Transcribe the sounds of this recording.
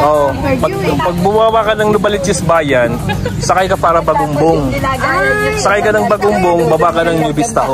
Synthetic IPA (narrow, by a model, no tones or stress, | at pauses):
ʔopɐ | pɐɡ̚bʊwawakɐnɐŋnʊbɐlɪt͡ʃɪsbaːjɐnsɐkɐjkɐpaːɾɐbɐɡʊmboŋ | sɐkɐjkɐnɐŋbɐɡʊmboŋbɐbakɐnɐŋnɪbɪst̪ɐʔo